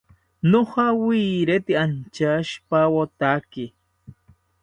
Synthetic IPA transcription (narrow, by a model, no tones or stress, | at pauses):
nohɑwiɾet̪ɪant͡ʃaʃpawot̪akɪ